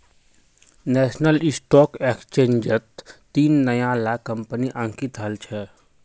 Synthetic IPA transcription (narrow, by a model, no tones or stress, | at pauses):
nɛːʃnəlɪsʈɔːkeːkst͡ʃẽːɲd͡ʒət̪ː | iːnːəjãlaːkə̃mpniʔə̃ːŋkit̪əlt͡ʃʰɛː